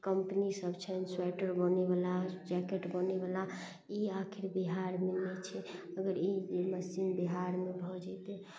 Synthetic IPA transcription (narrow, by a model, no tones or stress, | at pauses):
kəmpnisəbt͡ʃʰənswɛʈəɾbənebalad͡ʒɛkeʈbənebala | iakʰiɾbiɦaɾmenɛt͡ʃʰɛəɡəɾid͡ʒməsimbiɦaɾmebʱɔd͡ʒɛt̪ɛ